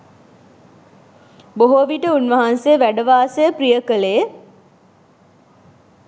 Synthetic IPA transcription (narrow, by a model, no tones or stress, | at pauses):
boɦoːʋiʈəunʋəɦansejəʋæɖəʋaːsejəprijəkəlejə